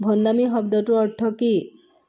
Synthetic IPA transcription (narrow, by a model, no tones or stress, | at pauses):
bʱɔnd̪amiɦɔb̚d̪ɔʈuɔɾʈʰɔki